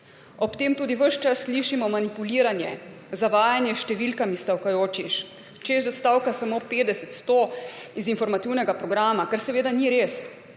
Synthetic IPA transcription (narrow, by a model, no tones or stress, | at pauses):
ɔpt̪eːmt̪uːd̪iʋəʃt͡ʃasːliʃimɔmanipuliːɾanjɛ̰ | zaʋaːjanjɛʃt̪ɛʋilkamist̪awkajoːt͡ʃiʃ | t͡ʃezɛt̪st̪awkasamopeːd̪ɛsɛt̪st̪oizinfɔɾmat̪iwnɛɡapɾɔɡɾaːmakɛɾsɛʋeːd̪aniɾeːs